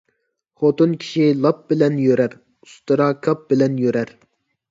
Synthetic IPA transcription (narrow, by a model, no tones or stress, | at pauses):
χot̪unkʲʰi̥ʃilˠɑp̚bɪlɛnjøɾæɾ | ust̪ɨɾɑkʰɑp̚bɪlɛnjøɾɛɾ